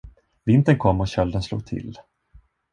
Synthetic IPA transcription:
vɪnt̪ənkʰɔmːɔɕœld̪ənslṵːɡ̚t̪ʰɪ̰l

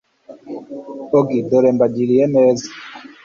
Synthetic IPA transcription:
oɡidɔɾɛmbad͡ʒiɾiɛmɛzi

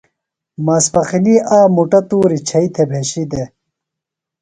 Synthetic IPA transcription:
mɐspɐxiniʔaːmuʈɐt̪uːɾit͡ɕʰɐit̪ʰebʱeɕid̪e

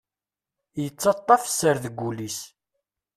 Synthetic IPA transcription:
jət͡sːɑt̪ˤːɑfsəɾðəɡʷːulis

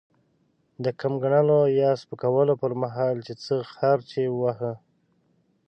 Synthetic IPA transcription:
d̪əkamɡaɳəlojɑspəkawəlopəɾmaɦɑlt͡ʃet͡səxaɾt͡ʃewahə

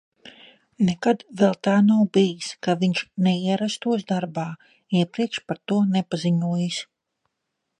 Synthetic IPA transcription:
nɛkad̪vɛlˠt̪aːnawbijiskaviɲʃnɛiɛɾast̪uɔsd̪aɾbaː | iɛpɾiɛkʃpaɾt̪uɔnɛpaziɲuɔjis

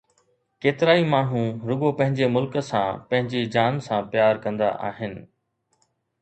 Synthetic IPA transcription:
keːt̪ɪɾaːimaːɳ̤ũɾʊɠopɐ̃ɦɪ̃ɲd͡ʑemʊlksãpɐ̃ɦɪ̃ɲd͡ʑid͡ʑaːnsãːpjaːɾkɐ̃nd̪a̰ʔa̰ːɦɪnɪ̆

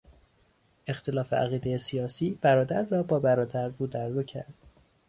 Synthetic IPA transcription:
e̞xt̪ʰe̞lɒːfe̞̰ʔæ̰ɣiːd̪e̞jesijɒːsiːb̥æɾɒːd̪æɾːɒːbɒːbæɾɒːd̪æɾvuːd̪æɾvocʰæ̰ɾd̪̥

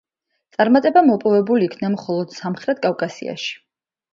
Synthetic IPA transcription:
t̪sʼaɾmat̪ʼɛbamɔpʼɔvɛbuliːkʰnamχɔlˠɔd̪̥samχɾɛt̪̚kʼafkʼasḭa̰ʃi̥

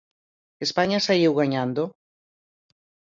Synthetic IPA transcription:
espaɲasaiwɣaɲand̪o

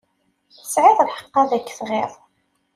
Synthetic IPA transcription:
θəsʕɪðˤəðħə̥qːɑðækːθʁeðˤ

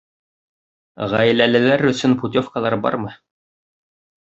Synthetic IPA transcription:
ʁæj̆lælælæɾɵ̆sɵnput̪ʲofkɑlˠɑɾbɑ̰ɾmɤ

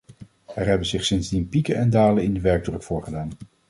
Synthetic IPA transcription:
ɛɹɦɛbənzɪχsɪnzdinpikənɛndaːlənɪndəʋɛɹɡ̚drɵkfʊːɹχədaːn

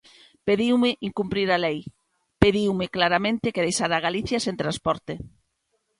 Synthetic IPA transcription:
peðiwmɪʔiŋkumpɾiɾalej | peðiwmɪklaɾamẽnt̪ɪkeðejʃaɾaɣ̞aliθjasẽnt̪ɾanspɔɾt̪ɪ

